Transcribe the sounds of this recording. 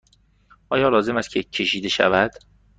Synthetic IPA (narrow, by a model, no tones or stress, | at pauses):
ʔɒːjɒːlɒːze̞mæst̪̚cʰe̞cʰe̞ʃiːd̪eʃæ̰væd̪̥